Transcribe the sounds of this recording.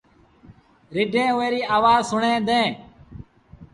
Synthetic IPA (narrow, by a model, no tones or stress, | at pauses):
ɾɪɖʱẽːeːɾiːaːʋaːzsʊɳẽːd̪ẽː